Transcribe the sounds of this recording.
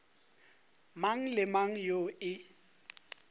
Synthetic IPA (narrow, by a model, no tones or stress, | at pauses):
maŋ̩lɪmaŋ̩joɪ